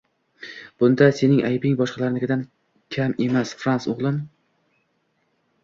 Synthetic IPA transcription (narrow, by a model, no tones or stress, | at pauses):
b̥ʊnd̪ase̞nɪŋʔajbɪŋbɒʃqɑlaɾɪnɪɡʲɪd̪an | kʲʰame̞masfɾansʊʁlˠɪm